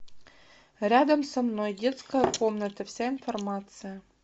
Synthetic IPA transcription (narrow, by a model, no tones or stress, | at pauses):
rʲad̪əmsɐmnojdʲet̪skəjɐkomnət̪ɐfsʲainformat̪sɨjɐ